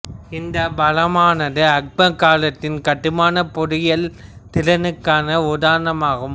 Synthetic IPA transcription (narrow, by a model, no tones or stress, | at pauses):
ɪnd̪ɐbɐlɐmaːnɐðɯɐk̚bɐkaːlɐt̪ːɪnkɐʈːɯmaːnɐpɔɽɪjɐlt̪ɪlɐnɯkːaːnɐʊðaːɾɐnɐmaːɣɐm